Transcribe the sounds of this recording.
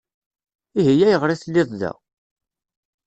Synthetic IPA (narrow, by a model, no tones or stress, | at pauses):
iɦijæjəʁɾˤiθəlːɪðˤðæ̰